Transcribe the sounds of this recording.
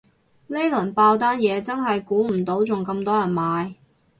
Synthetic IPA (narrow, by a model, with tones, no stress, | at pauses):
le˥jlɐ˨˩npaː˧wt̪̬aː˥njɛː˨˧t͡sɐ˥nɦɐ˨jkuː˨˥m̩˨˩t̪o˨˥wt͡sʊ˨ŋkɐ˧mt̪ɔː˥jɐ˨˩nmaː˨˧j